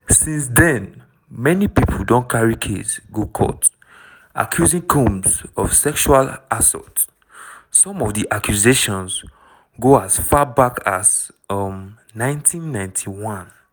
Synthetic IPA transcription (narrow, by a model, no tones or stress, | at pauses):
sĩnsdɛ̃n | mɛnipipʰodɔ̃nkʰaɹikʰḛtɡokʰɔ̰t | ʔa̰kʰjuzĩŋkʰũmsɔv̥sɛkʃualasɔ̰tː | ɔ̃mɔvdiʔakʰjuzeʃɔ̃ns | ɡoasfabakʰaz | m | nãɪ̃ntʰĩnːãɪ̃ntʰiwɔ̃n